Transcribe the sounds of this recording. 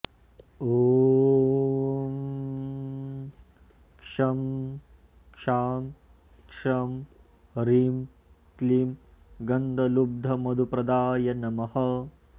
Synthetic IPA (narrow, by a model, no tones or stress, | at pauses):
oː | kʂɐm | kʂaːm | kʂɐm | ɾiːm | kliːmɡɐnd̪ɐlub̚d̪ʱɐmɐd̪upɾɐd̪aːjɐnɐmɐhɐ